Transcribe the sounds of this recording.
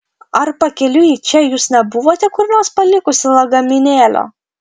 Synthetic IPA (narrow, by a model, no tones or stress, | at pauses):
ɐɾpɐkʲɛlʲʊjit͡ʃʲɛjuːsnʲɛbʊʋoːt̪ʲɛkʊɾnʲoːspɐlʲɪkʊsʲɪlˠɐɡɐmʲɪnʲeːlʲo̰ː